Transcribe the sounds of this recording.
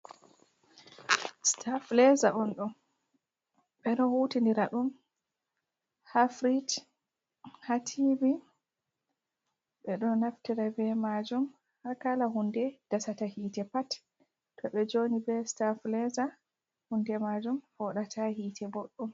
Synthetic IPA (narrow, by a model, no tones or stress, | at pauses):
stʰaflɛzaʔɔnɗun | ɓɛɗɔnhutindiɾaɗum | hafɾid | hatʰibi | ɓɛɗɔnːaftiɾabɛmad͡ʒum | hakalaɦundɛd̥asatahiːtɛpat | tːɔɓɛd͡ʒonibɛstaflɛza | hundɛmad͡ʒumfɔɗatʰahiːtʰɛboɗːum